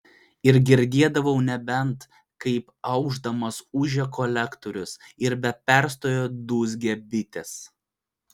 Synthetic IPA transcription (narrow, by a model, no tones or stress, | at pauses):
ɪɾɡʲɪɾʲd̪ʲiɛd̪ɐʋɐʊnʲɛbʲɛnt̪ | kɐɪp | ɐʊɡʒd̪ɐmɐsʊʒʲɛkʰɔlʲɛkt̪oɾʲʊsɪɾbʲɛpʲɛˑɾst̪oːjoːd̪uːzɡʲɛbʲɪt̪ʲɛs